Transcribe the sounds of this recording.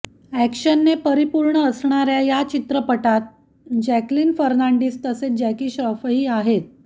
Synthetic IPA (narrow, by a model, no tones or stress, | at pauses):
ækɕənːepəɾipuɾɳəːsɳaɾjajat͡ɕit̪ɾəpəʈat̪̚ | d͡ʑækliːnfəɾnaɳɖiːst̪əsed͡ʑɛkiːɕəfəɦiːaɦet̪̚